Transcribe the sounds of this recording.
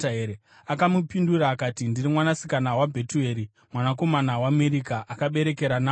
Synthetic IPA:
aɦeɾe | akamupinduraːkaːtindirimwanasikanawabʱe̞tueːɾi | mwanako̞manawaːme̞ɾikaʔakaɓe̞ɾe̞ke̞ɾanaː

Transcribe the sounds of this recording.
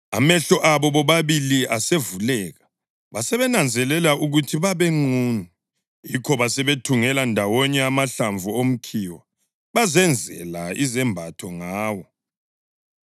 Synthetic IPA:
a̰mɛɬɔʔaβɔβɔβaβiliʔasevulɛːɣa | βasɛβɛnand͡zʱɛlɛlauɣutʰiβaβeŋ͡ǀuːni | jikʰɔβasɛβetʰuŋɛlandʱawɔɲɛamaɬaɱvuom̩kʰiːwa | βazɛnd͡zʱɛ̰laizɛmbʱatʰɔŋaːwɔ

